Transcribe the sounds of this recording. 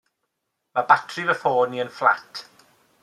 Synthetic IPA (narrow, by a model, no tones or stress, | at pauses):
mabatʰrɪvəfoːniənfla̰tʰ